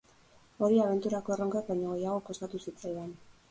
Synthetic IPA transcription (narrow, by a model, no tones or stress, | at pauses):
o̞ɾiaβ̞e̞nt̪uɾako̞e̞ro̞ŋɡak̚baɲo̞ɣe̞jaɣ̞o̞ko̞st̪at̪usit͡sajðan